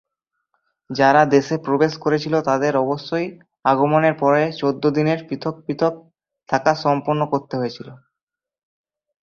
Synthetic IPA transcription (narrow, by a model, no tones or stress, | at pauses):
d͡ʑaɾad̪eʃepɾobeʃkoɾet͡ɕʰilot̪ad̪eɾɔboʃːoj | aɡomoneɾpɔɾet͡ɕod̪ːod̪ineɾpɾit̪ʰok̚pɾit̪ʰok̚ | t̪ʰakaʃɔmpoɾnːokoɾt̪eɦojet͡ɕʰilo